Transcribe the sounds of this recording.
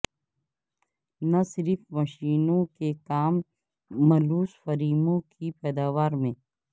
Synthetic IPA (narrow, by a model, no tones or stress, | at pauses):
nasɪɾfmɐʃiːnõkekaːmː | ɐluːsfɐɾiːmõkipɛːd̪aːʋaːɾmẽː